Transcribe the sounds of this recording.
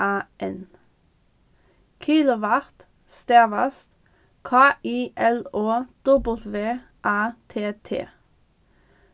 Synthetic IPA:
ɑːʔɛn | kʰiːlʊʋæʁt̪ | st̪eːʋɑst̪ | kʰɑːʔiːʔɛloːd̪̥ɔbəl̩t̪ʋeː | ʔɑːt̪ʰeːt̪ʰḛː

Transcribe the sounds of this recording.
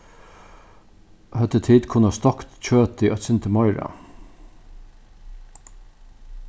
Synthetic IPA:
hœt̪ət̪ʰiːd̪kʰʊnɑst̪ɔkt̪t͡ɕøːt̪iːʔœt̪sɪnt̪əmɑɪɾɑ̰

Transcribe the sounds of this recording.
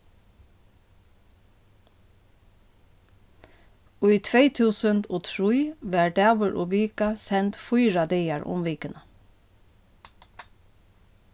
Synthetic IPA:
ʊit̪ʰʋeɪt̪ʰʉːsənd̪oːt̪ʰɹiːʋæːɖæːʋəɹʔo̰ːʋiːkɑsɛnt̪fʊʏɹɑd̪eɪɑɹʔʊ̰mʋiːkənə

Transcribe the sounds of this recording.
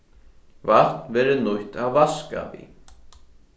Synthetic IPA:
var̥t̪nvɛːɾʏnuht̪awvaska̰vḭ

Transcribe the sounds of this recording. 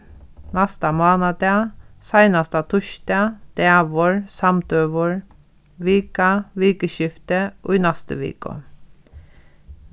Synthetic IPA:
nɑst̪ɑːmɑːnɑd̪ɑːsæɪnɑst̪ɑːt̪ʰʊʃt̪ɑd̪̥eʋɔɹsɑmt̪øːʋɔɹ | ʋiːkɑʋiːkəʃɪft̪əʔo̰iːnæst̪ə̰ʋḭːkɔ̰

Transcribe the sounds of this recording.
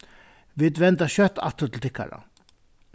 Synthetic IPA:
ʋɪd̪ʋɛnt̪aɕœt̪ɑ̰t̪ət̪ʰɪlt̪ʰɪkːa̰ɾə̰

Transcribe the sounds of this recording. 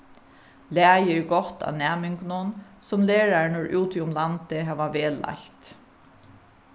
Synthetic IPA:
læːjəɹɡɔt̪a̰næːmɪŋknʊn | sʊmleːɹaɹnʊɹʔuːt̪iʊmlant̪ɪɦaːʋaʋeːla̰ht̪

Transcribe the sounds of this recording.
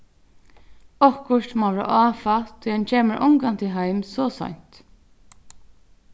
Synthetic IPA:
ɔhkʊʂt̪maɾa̰ʔɑːfat̪ʰʊjant͡ʃʰeːməɾʔɔ̰ŋkant̪ʰɪlɦajmsɔːsɔ̰ɲ̥t̪

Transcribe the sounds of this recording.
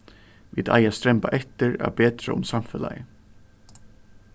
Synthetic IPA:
ʋiːd̪a̰jast̪ɾɛmpaʔɛht̪ɪɾa̰peːt̪ɾa̰ʊmsamfɛla̰jɪ

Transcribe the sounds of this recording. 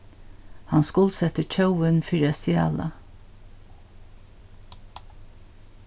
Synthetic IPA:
hɑnskʊlsɛt̪əc͡çœʊənfɪɹɛst̪ɪɑ̰ːlɑ̰

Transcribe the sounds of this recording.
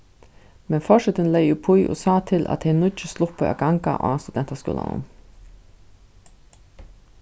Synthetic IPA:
mɛnfɔʃət̪ənlæɪjʊpʰʊjʔo̰ːsɑːt̪ʰɪlʔɑ̰t̪hɛɪnʊɪt͡ʃəslʊpʰoɑ̰ɡɑŋka̰ʔo̰ɑst̪ʉd̪ɛnt̪askʉ̰ːla̰nʊ̰m

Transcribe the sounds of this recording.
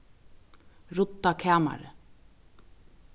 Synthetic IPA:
ɾʊt̪ːakʰɛːma̰ɾɪ̰

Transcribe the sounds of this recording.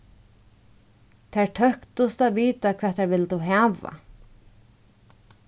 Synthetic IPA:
t̪ʰaːɹtʰœhkt̪ʊst̪aðʋiːt̪akʰv̥æːt̪ʰːɛɹʋɪlːt̪uɦæːʋa̰

